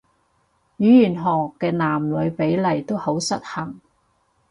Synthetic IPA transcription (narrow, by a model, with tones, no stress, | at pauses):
jyː˨˧jyː˨˩nɦɔː˨˩kːɛː˧naː˨˩mlɵ˨˧ɥpe˨˥jlɐ˨˩jt̪o˥who˨˥wsɐ˥t̚hɐ˨˩ŋ